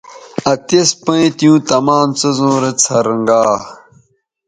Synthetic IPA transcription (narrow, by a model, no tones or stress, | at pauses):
ɐt̪espɐ̃it̪ijũːt̪ɐmaːmt͡sɐzõːɾɐt͡sʰɐɾəŋɡaː